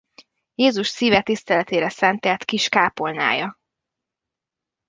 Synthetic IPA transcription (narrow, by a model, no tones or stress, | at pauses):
jeːzuʃsiːvɛt̪ist̪ɛlɛt̪eːɾɛsɛnt̪ɛt̪kiʃkaːpolna̰ːjɒ